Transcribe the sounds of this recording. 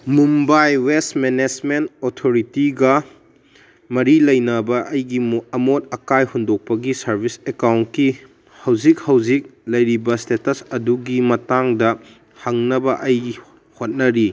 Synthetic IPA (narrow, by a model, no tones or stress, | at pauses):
mumbajwestmened͡ʒmentotʰoɾitiɡɐ | mɐɾilɐjnɐbɐʔɐjɡimɐmot̚ɐkajhundok̚pɐɡisɐɾbʱisekawnt̚ki | hɐwzik̚hɐwzik̚lɐjɾibɐstetɐsɐduɡimɐtaŋdɐ | hɐŋnɐbɐʔɐj | hot̚nɐɾi